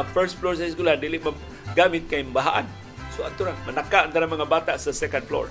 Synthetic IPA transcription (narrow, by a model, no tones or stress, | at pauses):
fəɾsflɔrs̬ajs̬kulandiliʔmə | ɡamĩt̪̚kaimbaɦaʔa̰n | sua̰nt̪uɾamənakaʔant̪aɾamaŋabat̪aʔsəsɛkanflɔ̰r